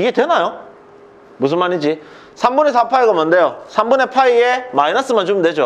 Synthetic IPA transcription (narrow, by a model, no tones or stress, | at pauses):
iɡed̪enajo | mus̬ɯmanit͡ɕi | sʰambunesapʰaiɡomand̪ejɔsʰambunepʰaiemainas͈ɯmant͡ɕumd̪ed͡ʑɔ